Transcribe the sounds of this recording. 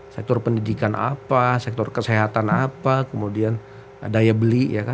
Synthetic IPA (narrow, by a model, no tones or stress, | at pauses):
sɛk̚t̪ɔrpəndidikanʔa̰pasɛk̚t̪ɔrkəseɦat̪anapakəmudian | dajabəliʔjaka